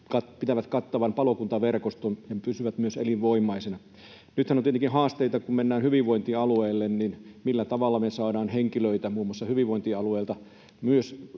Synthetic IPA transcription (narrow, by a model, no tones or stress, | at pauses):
kɑtpit̪æʋæt̪kɑt̪ːɑʋɑmpɑlokunt̪ɑʋerkost̪onjɑpysyʋæt̪myøsḛliʋʋoimːˑɑisenɑ | nyt̪hænont̪iet̪eŋkinhɑːst̪eit̪ɑkummenːæːnhyʋiʋʋoint̪iɑlueːlːenninmilːæt̪ɑʋɑlːɑmesɑːdɑːnheŋkiløit̪æmuːmːˑɑsːɑhyʋiʋʋoint̪iɑlueːlt̪ɑ | myøs